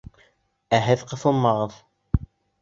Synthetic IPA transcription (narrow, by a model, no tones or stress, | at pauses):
æɦɘðqɤ̆θɤ̆lˠmɑʁɤð